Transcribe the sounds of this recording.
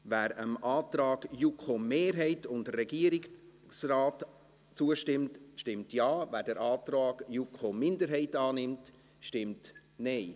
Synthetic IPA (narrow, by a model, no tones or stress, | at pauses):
væːɾəmɑːtɾɑːɡ̥jukχomeːɾɦɛɪtʊndərːɛɡiəɾɪk | sraːt | t͡suəʃtɪmtʃtɪmtjɑːvæːɾdəɾʔɑːtɾɑːɡjukχomɪndəɾɦɛɪtɑːnɪmt | ʃtɪmtnɛɪ